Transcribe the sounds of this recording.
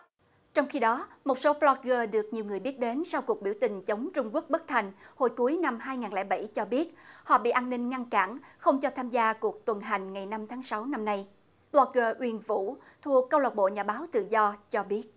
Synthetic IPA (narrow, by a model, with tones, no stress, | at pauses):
t͡ɕɔ˧wŋ͡mxi˧ɗɔ˨˦mo˨˩t̚so˨˦plɔ˧t̚ɣəː˧ɗɨ˨˩ək̚ɲi˨˩wŋɨ˨˩əjɓi˦˥ət̚ɗe˨˦nsa˧wku˨˩ək̚ɓi˧˩əwt̪ï˨˩ŋ̟t͡ɕə˨˦wŋ͡mt͡ɕʊ˧ŋ͡mku˦˥ək̚ɓə˦˥k̚t̪ʰa˨˩jŋ̟ho˧˩jku˨˦əjna˧mɦaː˧jŋaː˨˩nlɛ̰˧˥˩ɓa˧˩jt͡ɕɔ˧ɓi˦˥ət̚hɔ̰˧˨ɓḭ˧˨ʔaː˧nnï˧ŋ̟ŋa˧ŋka̰ː˧˩nxə˧wŋ͡mt͡ɕɔ˧t̪ʰaː˧mzaː˧ku˨˩ək̚t̪wə˨˩nɦa˨˩jŋ̟ŋa˨˩jna˧mt̪ʰaː˨˦ŋsa˨˦wna˧mna˧j | flɔ˧t̚ɣəː˧ʔwi˧ənvṵ˧˥t̪ʰu˨˩əkːə˧wla˨˩ɓo̰˧˨ɲaː˨˩ɓaː˨˦wt̪ɨ̰˧˨zɔ˧t͡ɕɔ˧ɓi˦˥ət̚